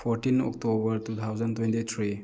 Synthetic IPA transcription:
pʰoɾtinɔ̰k̚tobɐɾtut̪ʰawd͡ʒɐntwentit̪ʰɾi

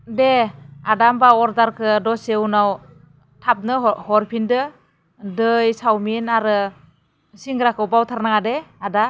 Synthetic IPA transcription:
deadambaɔɾdaɾkʰɯdɔsewnaw | tʰap̚nɯhɔɾpʰindɯ | dɯjsawminaɾɯ | siŋɡɾakʰɯwbawtʰaɾnaŋadeada

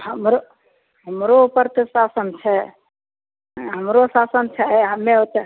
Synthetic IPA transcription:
ɦəmɾo | ɦəmɾoupəɾt̪əsasənt͡ʃʰɛ | ɦəmɾosasənt͡ʃʰɛɦəmːeot̪e

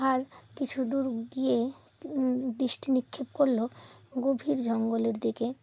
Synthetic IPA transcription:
aɾkit͡ɕʰud̪uɾɡije | d̪ɾiʃʈinikʰːebkoɾloɡobʱiɾd͡ʑʱɔŋɡoleɾd̪ike

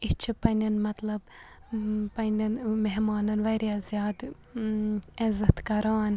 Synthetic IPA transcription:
it͡ʃʰipɐnʲɐnmɐt̪lɐb | pɐnʲɐnmeɦmɑːnɐnʋɐɾjazjaːd̪ | ezɐt̪kɐɾaːn

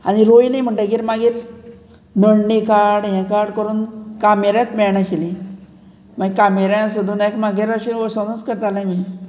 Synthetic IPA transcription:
a̰ɽiɾojlĩm̤əɳʈaɡiːɾmaɡiːɾ | nəɽnikaɽɦɛ̃kaɾɽkəɾuːnkameɾjãt̪mɛɭɳaɕilĩ | maɡkameɾãsud̪ʱuːnakmaɡiɾəɕiɔsənut͡skəɾt̪alami

